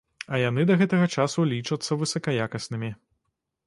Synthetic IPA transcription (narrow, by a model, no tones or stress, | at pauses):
ɐjanɨd̪ɐɣɛt̪ɐɣɐt͡ʂasulʲit͡ʂɐt̪sːɐvɨsɐkɐjakɐsnɨmʲi